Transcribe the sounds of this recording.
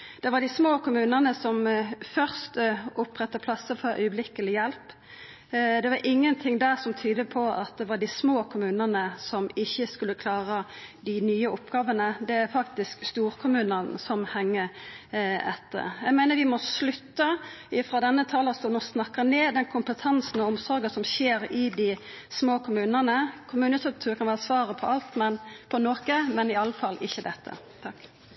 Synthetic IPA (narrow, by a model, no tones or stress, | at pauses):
d̪̥ɛʋɑd̪ɪsmoːkʰʊmʉːnənəsɔmfœʁst̪ʊpːʁɛt̪ːəpʰlɑsːəfɔɾʔœ̰ʏəblɪkəlɪjɛlp | d̪ɛʋɑɾʔɪŋːənt̪ʰɪŋd̪æʁsɔmt̪ʰyːd̪əpʰɔɑt̪̚d̪ɛʋɑɖɪsmoːkʰʊmʉːnənəsɔmɪçːəskʉlːəkʰlɑːʁə | d̪ɪnyːəʊpɡ̥ɑːʋənəd̪ɛæɾfɑkt̪ɪskst̪uːɾkʰʊmʉːnənsɔmhɛŋːə | ɛt̪ːə̰ɾjæɪɡmæɪnəɾʋɪmɔslʉt̪ːəɪfʁɑd̪ɛnːət̪ʰɑːləst̪ɔnɔsnɑkːəneːd̪ɛnkʰʊmpət̪ʰɛnsn̩ɔɔmsɔɾɡəsɔmɕeːɾɪd̪ɪ | smoːkʰʊmʉːnənəkʰʊmʉːnət̪ʰʊkt̪ʰʉːkʰɑnʋæːʁəsʋɑːɾəpʰɔʔɑlt̪mɛnpʰɔnoːkəmɛnɪɑlːəfɑlʔɪçːəd̪ɛt̪ːə̰ | t̪ʰɑkː